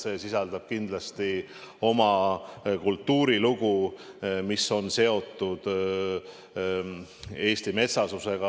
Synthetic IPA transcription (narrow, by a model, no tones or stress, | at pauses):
se̞ːsisɑld̪̥ɑb̥̚kind̪lɑst̪i | o̞mɑkult̪ːuːɾiluɡ̥u | miso̞nse̞o̞t̪ːˑud̪̥ | e̞ːst̪ime̞t̪sɑsuse̞ɡ̥ɑ